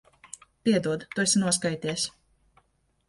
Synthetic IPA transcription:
pʲiɛd̪uɔd̪t̪ːusʲinuɔs̬kajt̪ʲiɛsʲ

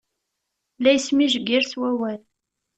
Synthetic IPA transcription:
læjsmiʒəɡiɾswæwæl

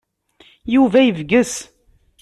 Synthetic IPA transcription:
juvæivɡəs

